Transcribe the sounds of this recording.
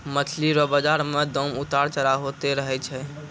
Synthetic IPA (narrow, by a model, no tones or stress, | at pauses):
mət̪ʰliɾɔbəd͡ʒaɾmed̪ɔmut̪aɾt͡ʃəɾaɦot̪eɾəɦɛt͡ʃʰɛ